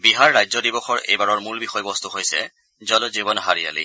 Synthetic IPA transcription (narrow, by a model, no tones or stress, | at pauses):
biɦaɹːajzɔdibɔxɔɹḛjbaɹɔɹmulbixɔjbɔst̪uɦojsɛ̰ | zɔlzibɔnɦaɹija̰lḭ